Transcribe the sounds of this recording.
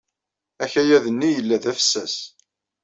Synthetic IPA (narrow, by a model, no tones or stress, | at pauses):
æçæjæðənːijəlːæðæfə̥sːæs